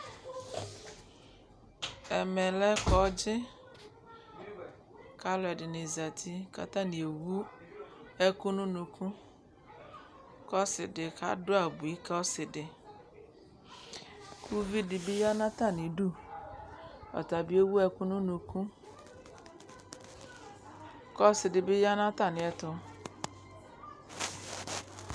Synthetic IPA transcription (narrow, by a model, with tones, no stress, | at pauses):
ɛ˨mɛ˨lɛ˦kɔ˨˦d͡ʒɪ˦ | ka˦lɔ˨ɛ˨dɪ˨nɪ˨za˨t̪ʰi˦ka̰˨tã˦nĩ˨e˨wu˦ | ɛ˦ku˦nũ˦nũ˨kũ˦ | kɔ˦sɪ˨dɪ˨ka̰˦dʊ˦a˨bu˨i˦ka˦ɔ˦sɪ˨dɪ˨ | kʰu˦vi˦dɪ˨bɪ˦ja˦nã˦ta˦˨nɪ˨du˦ | ɔ̰˨ta˨bi˦o˦wu˦ɛ˦ku˦nu˦nu˨ku˦ | kɔ˦sɪ˨dɪ˨bɪ˦ja˦nã˦ta˦˨nɪ˨ɛ˨tʊ˦